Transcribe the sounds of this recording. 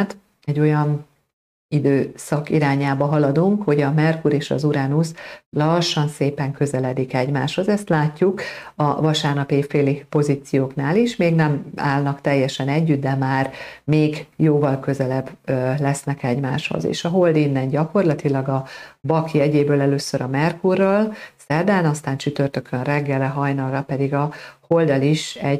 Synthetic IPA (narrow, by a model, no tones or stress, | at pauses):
t̪ | ɛɟːo̞jɒn | id̪øːsɒkiɾaːɲaːbɒɦɒlɒd̪uŋkho̞ɟɒmɛrkuɾeːʃɒ̰zuɾɛnuslɒʃːɒnseːpɛŋkø̞zɛlɛd̪ikɛɟmaːʃho̞zɛst̪laːcːukɒvɒʃaːrnɒpefeːlipo̞ziːt̪sijoːknaːliʃmeːɡnɛma̰ːlnɒkt̪ɛjːɛʃɛnɛɟːyt̪̚d̪ɛmaːrmeːɡjoːvɒlkø̞zɛlɛblɛsnɛkɛɟmaːʃho̰zḛːʃɒɦo̞ld̪inːɛnɟɒko̞rlɒt̪ilɒɡɒbɒkiɛɟeːbøːlɛløːsøɾɒmɛrkurːɒlsɛrd̪ɛlnɒst̪aːnt͡ʃyt̪ørt̪ø̞kʰønrɛɡːɛlɛɦɒjnɒlrɒpɛd̪iɡɒho̞ld̪ɒliʃɛɟ